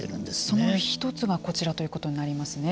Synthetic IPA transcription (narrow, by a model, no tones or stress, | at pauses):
ḛɾɯnd̪esso̞noçi̥t̪o̞t͡sɨɡako̞t͡ɕiɾat̪o̞jiɯ̟kot̪o̞ɲ̟inaɾʲimasɨne̞